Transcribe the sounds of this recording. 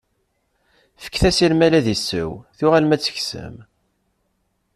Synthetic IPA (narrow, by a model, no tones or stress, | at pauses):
fə̥kːθæsilmælæðisːə̰wθʊʁælmæt͡sːə̥çsə̰m